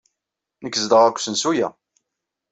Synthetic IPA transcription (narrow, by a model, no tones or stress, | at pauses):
nəkːzd̪əʁækʷːsənsujæ̰